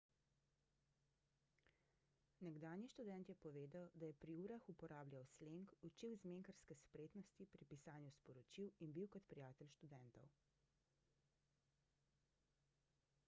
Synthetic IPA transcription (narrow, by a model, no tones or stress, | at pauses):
nɛɡd̪aːnjiʃt̪ud̪ɛnt̪jɛpɔʋeːd̪awd̪ajɛpɾiuːɾaxupɔɾaːblʲjawsleŋkut͡ʃiwzmeːŋkəɾskɛspɾeːt̪nɔst̪ipɾipisaːnjuspɔɾɔt͡ʃiwinbiwkɔt̪pɾijaːt̪ɛlʃt̪ud̪ɛnt̪ɔw